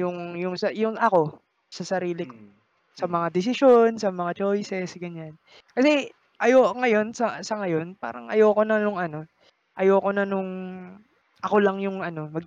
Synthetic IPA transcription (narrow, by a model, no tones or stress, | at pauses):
jʊŋjʊŋsɐjʊŋʔɐko̞ | sɐsɐɾiːlɪko̥ | sɐmɐŋad̪ɪs̬ɪʃo̞nsɐmɐŋat͡ʃo̞jsɛsɡɐɲan | kɐsɛ | ʔɐjoːʔŋɐjo̞nsɐsɐŋɐjo̞npa̰ːɾɐŋʔɐ̰joːko̞nɐnʊŋʔɐno̞ | ʔɐjoːko̞nɐnʊŋ | ʔɐko̞lɐŋjʊŋʔɐno̞mɐɡ̚